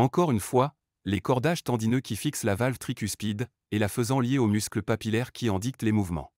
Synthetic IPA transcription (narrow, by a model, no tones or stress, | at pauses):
ɑ̃kɔʁynfwa | lekɔʁd̪aʒt̪ɑ̃d̪inøkʲifikslavalvt̪χikʲyspid̪ | elafəzɑ̃ljeomyskləpapilɛʁkʲiɛ̃d̪ik̚t̪lemuvmɑ̰̃